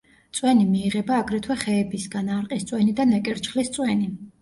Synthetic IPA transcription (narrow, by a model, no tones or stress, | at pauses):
t̪sʼwɛnimiːʁɛbaːɡɾɛt̪ʰwɛχɛːbisɡanaɾqʼist̪sʼwɛnid̪anɛkʼɛɾt͡ʃχlist̪sʼwɛni